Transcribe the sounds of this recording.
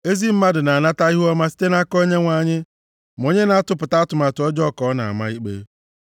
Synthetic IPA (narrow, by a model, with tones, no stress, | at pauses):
e˦zi˦m̩˦ma˦dʊ˨na˨a˨na˦ta˦i˦ɦu˦ɔ˦ma˦si̥˦te˦na˦kɔ˦ɲe˦ŋʷa˨ɲɪ˦ | m˨o˨ɲe˦na˨˦a˦tʊ˦pʊ˨ta˦tʊ˨ma˨tʊ˨ɔ˦d͡ʒɔ˦˨kɔ˨˦na̰˨a̰˨ma̰˦i˦k͡pḛ˦